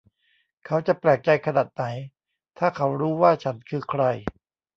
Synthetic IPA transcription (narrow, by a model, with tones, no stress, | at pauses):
kʰa˦˥wt͡ɕa˨˩plɛː˨˩k̚t͡ɕa˧jkʰa˧naː˨˩t̪̚na˩˦j | t̪ʰaː˥˩kʰa˦˥wɾuː˦˥waː˥˩t͡ɕʰa˦˥nkʰɯː˧kʰɾa˧j